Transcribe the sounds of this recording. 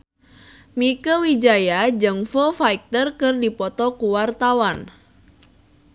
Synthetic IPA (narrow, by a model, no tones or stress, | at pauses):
mikəwid͡ʒajad͡ʒɨŋfɔfaik̚t̪ərkərdipɔt̪ɔkuwart̪awan